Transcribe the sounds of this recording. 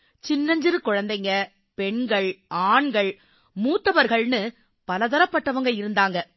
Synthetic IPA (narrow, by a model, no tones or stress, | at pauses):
t͡ʃɪnːɐɲd͡ʒɪɾɯkʊɻɐnd̪ɐŋɡɐ | pɛɳɡɐɭaːɳɡɐɭ | muːt̪ːɐʋɐɾɣɐɭnɯ | pɐlɐðɐɾɐpːɐʈːɐʋɐŋɡɐɪɾɯnd̪aːŋɡɐ